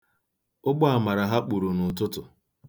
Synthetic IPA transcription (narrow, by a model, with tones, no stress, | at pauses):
ʊ˦ɡ͡bʊ˦a˨ma˨ɾa˨ɦa˦k͡pu˨ɾu˨nʊ˨tʊ˦tʊ˨